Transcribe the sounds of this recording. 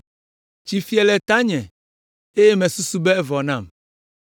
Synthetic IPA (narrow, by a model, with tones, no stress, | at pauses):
t͡ʃi˨fi˦ɛ˨lɛ˨t̪a˦ɲɛ̃˨ | e˦je˦mɛ̃˨su˦su˦bɛ˦ɛ˦vɔ˨nã˦˨m